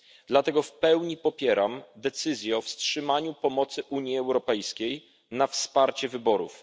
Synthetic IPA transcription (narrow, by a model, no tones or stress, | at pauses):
d̪̥lat̪ɛɡɔfpɛwɲipɔpʲjɛɾamd̪ɛt̪sɘzʲjɛɔfstʂɘmaɲupɔmɔt̪sɘʔuɲjiɛwɾɔpɛjskʲej | nafspaɾt͡ɕɛvɘbɔɾṵf